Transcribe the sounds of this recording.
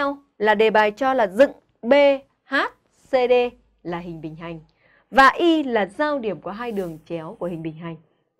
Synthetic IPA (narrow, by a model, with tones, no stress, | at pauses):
ɛ˧w | laː˨˩ɗe˨˩ɓaː˨˩jt͡ɕɔ˧laː˨˩zɨ̰˧˨ŋ | ɓe˧ | haː˦˥t̚ | se˧ɗe˧ | laː˨˩ɦï˨˩ŋ̟ɓï˨˩ŋ̟ɦa˨˩jŋ̟ | vaː˨˩ʔi˧laː˨˩zaː˧wɗi˧˩əmku˧˩əɦaː˧jɗɨ˨˩əŋt͡ɕɛ˨˦wku˧˩əhï˨˩ŋ̟ɓï˨˩ŋ̟ɦa˨˩jŋ̟